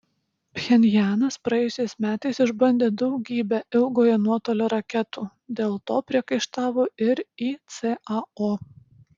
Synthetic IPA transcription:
pʲxʲɛnʲjæːnɐspɾɐjɛjʊsʲɛɪsmʲæːt̪ɐɪsɪʒbɐnʲd̪ʲeːd̪ɒʊɡʲiːbʲɛʔɪlˠɡoːjɛnuɔt̪oːlʲoːɾɐkʲɛt̪uː | d̪ʲeːlˠt̪oːpʲɾʲiɛkɐɪʃt̪ɑːʋoːɪɾiːt̪sʲeɐoː

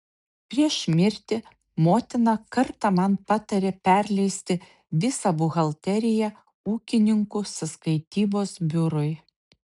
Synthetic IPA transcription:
pʲɾʲiɛʃmʲɪɾʲt̪ʲɪ | moːt̪ʲɪnɑkɐɾt̪ɑmɐnpɑːt̪ɐɾʲeːpʲɛɾʲlʲɛɪsʲt̪ʲɪ | ʋʲɪsɑbʊɣɐlˠʲt̪ʲɛɾʲɪjɛ | uːkʲɪnʲɪŋkʊsɐskɐɪt̪ʲiːboːsbʲʊɾʊɪ

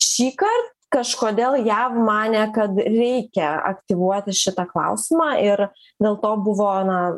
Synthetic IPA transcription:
ʃʲiːkɐrt̪̚ | kɐʃkoːd̪ʲeːlˠjæːʋmɑːnʲɛkɐt̪ɾʲɛɪkʲɛɐ̰kt̪ʲɪʋuɔt̪ʲɪʃʲɪt̪ɑklˠɐ̰ʊsʲɪmɑːʔɪɾ | d̪ʲeːlˠt̪oːbʊʋoːnɐ

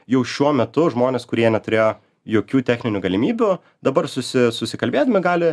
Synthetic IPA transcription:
jɛʊʃʲuɔmʲɛt̪ʊʒmoːnʲeːskʊɾʲiɛnʲɛt̪ʊɾʲeːjoː | joːkʲuːt̪ʲæːxʲnʲɪnʲuɡɐlʲɪmʲiːbʲu | d̪ɐbɐɾsʊsʲɪsʊsʲɪkɐlʲbʲeːd̪ɐmʲɪɡɑːlʲɪ

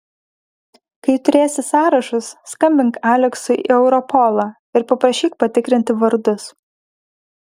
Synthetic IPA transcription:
kɐɪt̪ʊɾʲeːsʲɪsɑːɾɐʃʊsːkɐmʲbʲɪŋkæːlʲɛksʊɛʊɾɔpʰɔlˠɐ | ɪɾpɐpɾɐʃʲiːk̚pɐt̪ʲɪkɾʲɪnʲt̪ʲɪʋɐɾd̪ʊs

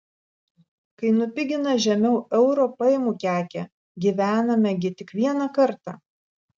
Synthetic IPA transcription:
kɐɪnʊpʲɪɡʲɪnɐʒʲɛmʲɛʊɛʊɾoːpɐjɪmuːkʲæːkʲɛ | ɡʲiʋʲæːnɐmʲɛɡʲɪt̪ʲɪkʋʲiɛnɐkɐɾt̪ɑ̰

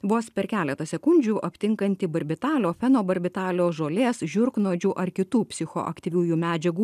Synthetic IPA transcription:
ʋoːspʲɛɾkʲæːlʲɛt̪ɐsʲɛkʊnʲd͡ʒʲuːʔɐpʲt̪ʲɪŋkɐnʲt̪ʲɪbɐɾʲbʲɪt̪ɑːlʲoːfʲɛnoːbɐɾʲbʲɪt̪ɑːlʲoːʒoːlʲeːsʒʲʊɾknoːd͡ʒʲuʔɐɾkʲɪt̪uːpʲsʲɪxo̰ʔɐ̰kt̪ʲiʋʲuːjuːmʲæːd͡ʒʲɛɡuː

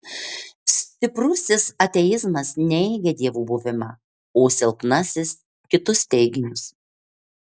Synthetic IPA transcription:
sʲt̪ʲɪpɾʊsʲɪsɐt̪ʲɛjɪzmɐsnʲɛɪɡʲɛd̪ʲiɛʋuːbʊʋʲɪmɑː | oːsʲɪlˠpnɐsʲɪs | kʲɪt̪ʊst̪ʲɛɪɡʲɪnʲʊs

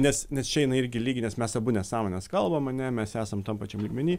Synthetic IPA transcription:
nʲɛsnʲɛst͡ʃʲɛjɪnɐɪɪɾʲɡʲɪlʲiːɡʲɪnʲɛsmʲɛsɐbʊnʲɛsɑːmoːnʲɛskɐlˠbɐmɐnʲɛmʲɛsæːsɐmt̪oːmpɑt͡ʃʲɛmlʲiːɡmʲɛnʲiː

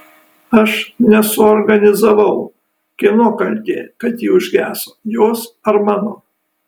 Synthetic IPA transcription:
ɐʃnʲɛsʊoɾɡɐnʲɪzɐʋɐʊ | kʲɪnoːkɐlʲt̪ʲḛːkɐt̪jiːʊʒʲɡʲæːsoːjoːsɐɾmɑːnoː

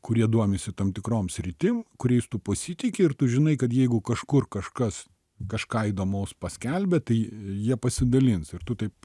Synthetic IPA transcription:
kʊɾʲiɛd̪uɔmʲɪsʲɪt̪ɐmt̪ʲɪkɾoːmsʲɾʲɪt̪ʲɪmkʊɾʲɛɪst̪ʊpɐsʲit̪ʲɪkʲɪɪrt̪ʊʒʲɪnɐɪkɐt̪jɛɪɡʊkɐʃkʊrkɐʃkɐs | kɐʃkɑːid̪oːmɐʊspɐsʲkʲɛlʲbʲɛt̪ɐɪjiɛpɐsʲɪd̪ɐlʲɪnsɪɾt̪ʊt̪ɐɪp

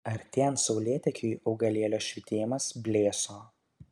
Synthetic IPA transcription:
ɐɾt̪ʲɛːnsɒʊlʲeɛt̪ʲɛkʲuʔɒʊɡɐlʲeɛlʲoːʃʲʋʲɪt̪ʲeːjmɐsbʲlʲeːsoː

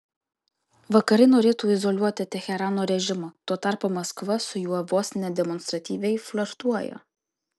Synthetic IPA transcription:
ʋɐkɐɾʲɪnoːɾʲeːt̪uːɪzɔlʲuɔt̪ʲɪt̪ʲɛxʲɛɾɑːnoːɾʲɛʒʲɪmot̪oːt̪ɑˑɾpoːmɐskʋɐsʊjuɔʋoːsnʲɛd̪ʲɛmɔnst̪ɾɐt̪ʲiːʋʲɛɪflʲɔɾt̪uɔjɛ̰

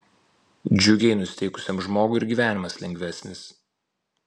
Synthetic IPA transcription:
d͡ʒʲʊɡʲɛɪnʊsʲɪ̥t̪ʲɛɪkʊ̥sʲemʒmoːɡʊɪɾʲɡʲiːʋʲæːnʲɪmɐslʲɛŋʲɡʲʋʲæsʲnʲɪs

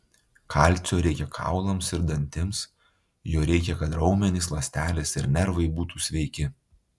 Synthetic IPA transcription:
kʰɐɑˑlʲˑt̪sʲoːɾʲɛɪkʲɛkʰɑ̰ˑʊlˠɐmsɪɾd̪ɐnʲt̪ʲɪms | joːɾʲɛɪkʲɛkɐt̪ɾɒʊmʲɛnʲiːs̬lˠɐsʲt̪ʲæːlʲɪsɪɾnʲɛɾʋɐɪbuːt̪uːsʲʋʲɛɪkʲɪ

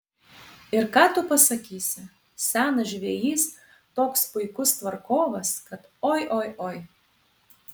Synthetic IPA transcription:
ɪɾkɑːt̪ʊpɐsɐkʲiːsʲɪ | sʲæːnɐʒʲʋʲejiːs | t̪oːkspʊjkʊst̪ʋɐrkoːʋɐskɐt̪ojʔojʔoj

